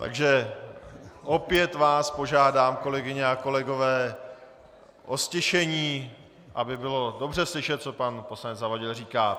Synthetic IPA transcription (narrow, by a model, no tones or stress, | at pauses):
t̪a̰ɡʒɛ | ʔo̞pjɛt̪vaːspo̞ʒaːdaːmko̞lɛɡɪɲɛako̞lɛɡo̞vɛː | ʔoscɛʃɛɲiː | ʔabɪbɪlo̞do̞br̝ɛslɪʃɛt̪̚t͡so̞panposlaɲɛd͡zzavaɟɪlriːkaː